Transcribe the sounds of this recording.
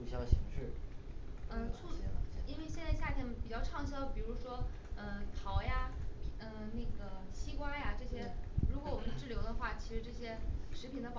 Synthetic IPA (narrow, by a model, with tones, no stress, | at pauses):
u˨˩ɕjɑ˥˩ɕḭ˧˥ŋʂɻ̩˥˩ | ə˥˧˥i˥nwe˥˧ɪɕjɛ˥˧nt͡sa˥˧ɪɕja˥˧t̪ʰjɛ˥˩npi˨˩t͡ɕjɑ˥˧ʊʈ͡ʂʰɑ˥˧ŋɕjɑ˥˧pi˨˩ɻu˧˥ʂwɔ˥ | ə˥˧t̪ʰɑ˧˥ʊja˧pə˧na˥˩ɡə˩t͡ɕʰi˥kwa˥nja˨ʈ͡ʂɤ˥˩ɕjɛ˥ɻu˧˥k̬wɔ˧˥wɔ˨˩mə˦nʈ͡ʂɻ̩˥˩ljo˧˥ʊd̪ə˧xwa˥˩t͡ɕʰi˧˥ʂɻ̩˧˥ʈ͡ʂɤ˥˩ɕjɛ˥ʂɻ̩˧˥pʰi˨˩nd̪ə˦p